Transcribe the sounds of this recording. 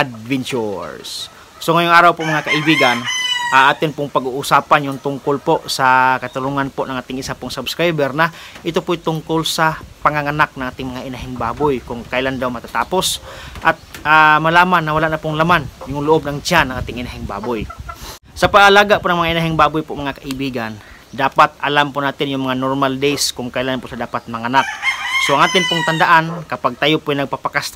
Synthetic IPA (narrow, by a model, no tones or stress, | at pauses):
ʔd̪vɛnt͡ʃṵɹsː | oŋɐjʊŋʔaːɾawpoʔŋmɐŋakaʔɪbiːɡanʔaŋʔaːt̪ɪnpʊŋpɐɡuʔʊsaːpanjʊŋt̪ʊŋkolpoʔsɐkɐt̪ʊluŋanpoʔnɐŋʔaːt̪ɪŋʔɪsapʊŋsabskɾajbɛɾnɐʔɪt̪opʊjt̪ʊŋkolsɐpɐŋaŋanak̚nɐ̃ŋʔaːt̪ɪŋmɐŋaʔɪnaɦɪŋba̰ːbʊjkʊŋkajland̪awmɐt̪at̪aːposʔat̪̚amɐlaːmanːɐwɐlaʔnapʊŋlamanjʊŋlʊʔob̚nɐŋt͡ʃanɐŋʔaːt̪ɪŋʔɪnaɦɪŋba̰ːbʊj | sɐpaʔɐlaːɡaʔponɐŋmɐŋaʔɪnaɦɪŋbaːbʊjpomɐŋakaʔɪbiːɡan | d̪aːpat̪ʔɐlampʊnaːt̪ɪnjʊŋmɐŋanoɾmald̪ejskʊŋkajlanpʊsɐd̪aːpat̪̚mɐŋanak̚soʔɐŋaːt̪ɪnpʊŋt̪and̪aʔankɐpaɡ̚t̪ajopʊjnɐɡ̚papakast̪